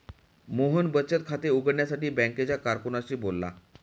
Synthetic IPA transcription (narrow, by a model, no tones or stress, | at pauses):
moɦənbət͡ɕət̪̚kʰat̪euɡəɽɳjasaʈiːbɛ̃ŋket͡ɕjakaɾkunaɕiːbolːa̰